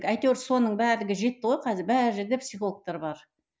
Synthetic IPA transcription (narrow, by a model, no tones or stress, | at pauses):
kæjt̪ewɾso̞nəɴbæɾlɪɡʲɪʒe̞t̪ːɪʁojqʰɑzɪɾbæɾɪʒɪɾd̪e̞psijχolˠək̚t̪ɑɾbɑɾ